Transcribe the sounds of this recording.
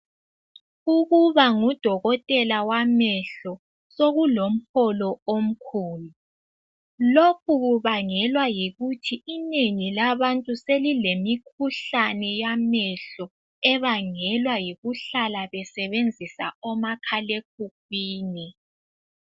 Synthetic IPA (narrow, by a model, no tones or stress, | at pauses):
uɣuβaŋud̥ʱɔɣɔtʼɛlawamɛɬɔ | soɣulom̩hɔlɔom̩kʰuːlu | lok̚ʰuɣuβaŋɛlwajiɣutʰiːneŋilaβantʼuselilemikʰuɬanɛjamɛɬɔ | ɛβaŋɛlwajiɣuɬalaβɛsɛβend͡zʱisa̰ɔmakʰalek̚uk̚wiːni